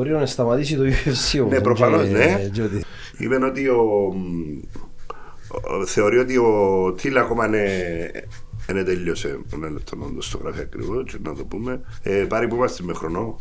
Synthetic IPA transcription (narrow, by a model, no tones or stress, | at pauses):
oɾionest̪amat̪isit̪ojuesjonepːɾofanozned͡ʒod̪i | ḭmenot̪io | θeoɾiot̪̬iot̪ʰilakomane | net̪eʎːosḛnelet̪ʰːono̰nd̪ost̪oɣɾa̰fiakɾḭot͡ʃna̰t̪opume | epaɾipumast̪imːexɾono